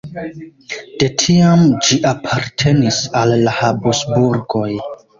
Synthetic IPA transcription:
d̥e̞tʰiamd͡ʒiʔapʰaɾtʰe̞nisalːahabusbuɾɡo̞j

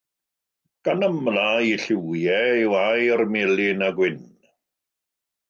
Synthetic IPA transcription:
ɡ̥anəmlaiɬɪwjɛiwajɔrmɪlɪnaɡwɪn

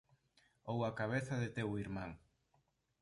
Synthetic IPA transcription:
owakaβ̞eθɐðɪt̪ewiɾmaŋ

